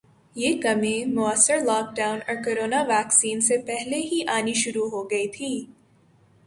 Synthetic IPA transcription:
jeːkɐmẽmʊəsəɾlɔːk̚ɖaːʊ̃nɔːɾkoɾoːnaʋɛːksiːnsepɛɦleɦiʔaːniʃʊɾuɦoɡɐit̪ʰiː

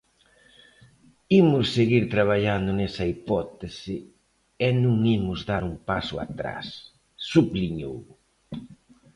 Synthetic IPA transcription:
imʊsːeɣiɾt̪ɾaβ̞aʎand̪ʊnɛsɐipɔt̪esɪ | ɛnũŋimʊzðaɾumpasʊa̰t̪ɾa̰sː | upliɲo̰w

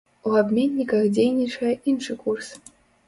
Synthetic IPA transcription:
uabʲmʲenʲːikɐxd͡zʲejnʲit͡ʂɐjɛʔinʂɨkurs

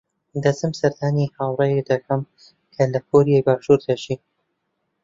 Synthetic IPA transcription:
d̪ɐzɨmsɐɾd̪aːnihaːwrˤɐjed̪ɐkʰɐm | kʰɐlɐkʰoɾijaːjbaːʃuːɾd̪ɐʃi

